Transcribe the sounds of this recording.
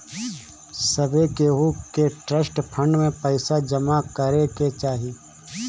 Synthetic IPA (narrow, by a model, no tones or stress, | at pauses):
sɐbʱekeɦukeʈɾəsʈpʰə̃ɳɖmẽpəɪsad͡ʒɐmakɐɾeket͡ʃaːɦi